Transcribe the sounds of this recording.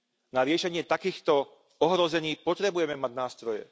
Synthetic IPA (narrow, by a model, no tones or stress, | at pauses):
naɾɪɛʃɛɲɪɛt̪akiːxt̪ɔ | ɔɦɾɔzɛɲiːpɔt̪ɾɛbujɛmɛmaɟnaːst̪ɾɔjɛ̰